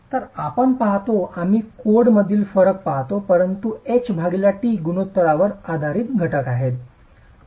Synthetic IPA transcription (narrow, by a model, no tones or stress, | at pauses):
t̪əɾapəɳpaɦt̪oʔam̤iːkoɽməd̪ʱiːlfəɾək̚paɦt̪opəɾənt̪uet͡ɕbʱaɡiljaʈiːɡuñot̪ːəɾaʋəɾad̪ʱaɾiːt̪ɡʱəʈəkaɦet̪